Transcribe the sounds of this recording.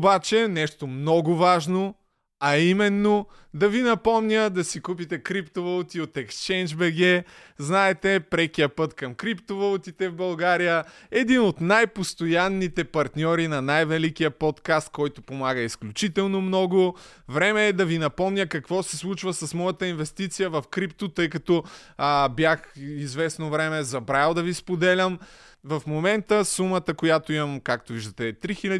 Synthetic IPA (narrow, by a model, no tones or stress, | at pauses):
bat͡ʃɛnɛʃt̪omnɔɡʊvaʒno | ɐimɛnːo | d̪ɐvinɐpɔmnʲəd̪ɐsikup̬it̪ɛkɾipt̪ovɐlˠut̪iot̪ɛkst͡ʃɛjnd͡ʒbɛɡɛznaɛt̪ɛpɾɛkijəpɤt̪kɐmkɾipt̪ovɐlˠut̪it̪ɛvbɐlˠɡaɾijəɛd̪inot̪najpost̪ojanːit̪ɛpɐɾt̪nʲɔɾinɐnajvɛlik̟ijəpɔt̪kast̪̚kɔjt̪opomaɡəisklʲut͡ʃit̪ɛlˠnomnɔɡo | vɾɛmɛːd̪ɐvinɐpɔmnʲəkɐkvɔsɛslˠut͡ʃvəsɐsmɔjɐt̪əinvɛst̪it̪sijəvɐfkɾipt̪ot̪ɤjkɐt̪ɔ | bjaxizvɛsnovɾɛmɛzɐbɾalˠd̪ɐvispod̪ɛlʲəm | vɐfmomɛnt̪əsumət̪əkojat̪oimɐmkakt̪oʊviʒd̪ət̪ɛt̪ɾixilʲɐ